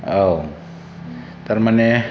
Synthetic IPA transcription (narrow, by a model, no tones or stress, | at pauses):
ow | t̪aɾmane